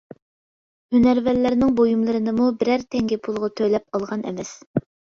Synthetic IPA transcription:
hynæɾvæɾlːæɾnɪŋbojumlˠɨɾɨnɨmubɪɾæɾt̪ʰɛŋɡʲɪpʰulˠʁɑt̪ʰølɛp̚ɑlˠʁɑnʔɛ̰vɛs

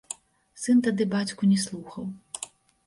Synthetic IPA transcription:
sɨnt̪ɐd̪ɨbat͡sʲkʊnʲɛslˠuxɐw

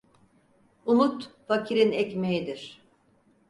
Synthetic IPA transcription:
unut̪facʰiɾinɛcmejid̪iɾ̥

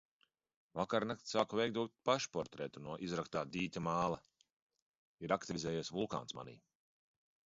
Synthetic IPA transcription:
vakaɾnakt̪saːkuvɛjk̚d̪uɔkt̪̚paʃpɔɾt̪ɾɛt̪unuɔʔizɾakst̪aːd̪iːt̪ʲamaːlˠɐ | iɾakt̪ivizɛːjeːsʲvulˠka̰ːnsma̰nḭː

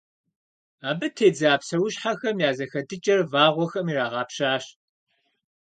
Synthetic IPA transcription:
aːbɨtʰeːd͡zaːpsɐwʊɕħaxɐmjaːzɐxɐdɨt͡ʃʼɐrvaːʁʷɔxɐmiːraːʁɑːpɕaːɕ

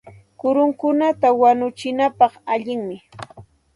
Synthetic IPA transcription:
kʊɾʊŋkʊnat̪awanʊt͡ʃɪnapɑχaʎɪŋmɪ

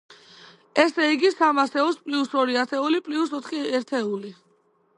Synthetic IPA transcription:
ɛsɛiɡisamasɛɔspʼliusɔɾiaɾt̪ʰɛulipʼliusɔt̪ʰqʼiɛɾt̪ʰɛuli

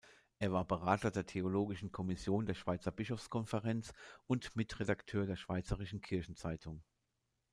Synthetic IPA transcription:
ʔeːɐvaːɐbəʁaːtɐdeːɐtʰeoloːɡɪʃn̩kʰɔmɪsjoːndeːɐʃv̥aɪt͡sɐbɪʃɔfskʰɔnfəʁɛnt͡sʊntmɪtʁedaktʰøːɐdeːɐʃv̥aɪt͡səʁɪʃn̩kʰɪɐçn̩t͡saɪtʰʊŋ

